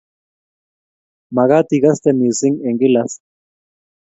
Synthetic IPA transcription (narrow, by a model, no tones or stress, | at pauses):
maɣat̪iɣast̪emisiŋeŋɡilas